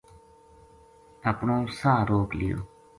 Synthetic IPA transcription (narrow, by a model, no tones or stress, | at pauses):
əpɳõːsaːɾoːklɪ̰jo̰ː